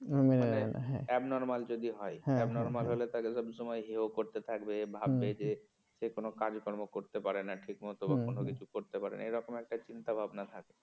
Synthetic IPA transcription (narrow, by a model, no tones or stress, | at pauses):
meaena̰ɦɛ̰̃ɛbnɔɾmald͡ʒod̪iɦɔeɦɛbnɔɾmalɦolet̪akesəbsɔmɔjɦeokoɾt̪et̪ʰakbebʱabːed͡ʒe | sekonokad͡ʒkɔɾmokoɾt̪epaɾenaʈʰikmɔt̪obakonokit͡ʃʰukoɾt̪epaɾḛna̰eɾɔkomɛk̚ʈat͡ʃint̪abʱabnat̪ʰake